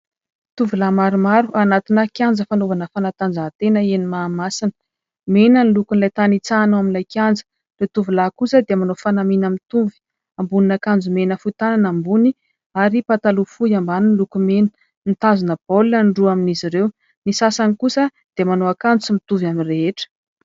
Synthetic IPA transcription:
t̪uvulamaɾumaɾuʔanat̪inakjand͡zəfanovanəfanat̪and͡zat̪enəenimaːmasinə̥ | menənilukunlajt̪anit͡sanowaminlajkjand͡zə̥ | ret̪uvulakusəd̪emanofanaminamit̪uvi̥ | ambuninakand͡zumenəfut̪ananambuni | aɾipat̪alufujambaninlukumenə̥ | nt̪azinəb̥olːəɳɖ͡ʐuaminiziɾew | nisasanikusə | d̪̥emanoakand͡zusimit̪uvamireɦeʈ͡ʂə̥

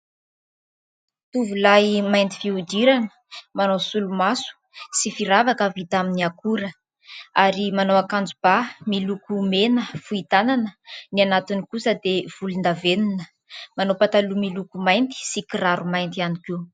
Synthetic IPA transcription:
t̪uvulajmajnt̪i̥fiud̪iɾanə̥ | manowsulumasu̥ | sifiɾavakavit̪aminiakuɾə | aɾimanowakand͡zub̥amilukumenəfuit̪ananənianat̪inikusəd̪ev̥ulind̪avenunə | manowpat̪alumilukumajnt̪i̥sikiɾaɾumajnt̪ianikiw

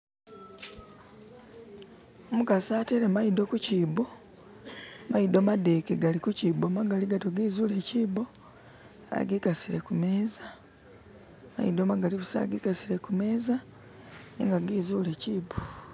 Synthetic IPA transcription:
omukasaːteɾemaido̞kuciːbo̞ | maidomadekeɡalikuciːbomaɡaliɡatoɡiːzuːle̞ciːbo̞ | a̰ɡikasiɾe̞kume̞ːza | maid̪omaɡaliβusa̰ɡikasiɾe̞kume̞ːza | nḭŋɡaɡiːzule̞ciːbo

